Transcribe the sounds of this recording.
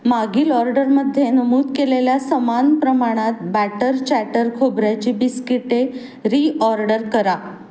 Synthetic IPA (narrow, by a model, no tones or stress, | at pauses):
maɡiːlɔɾɖəɾməd̪ʱːjenəmuːt̪keleljasəmanpɾəmaɽ̃at̪̚bæʈəɾt͡ɕæʈəɾkʰobɾjat͡ɕiːbiskiʈːe | ɾiʔɔɾɖəɾkəɾa